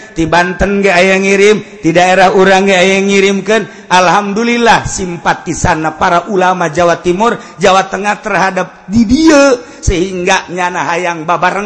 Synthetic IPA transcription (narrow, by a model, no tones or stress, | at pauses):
t̪ibant̪ənɡaajaŋiɾimt̪idaeɾaɦuɾaŋɡəajaŋiɾimkən | alɦamdulilahsimpat̪isanːapaɾaʔulamad͡ʒawat̪imur | d͡ʒawat̪əŋaht̪ərɦadap̚didiə | səɦiŋɡaɲanaɦajaŋbabaɾəŋ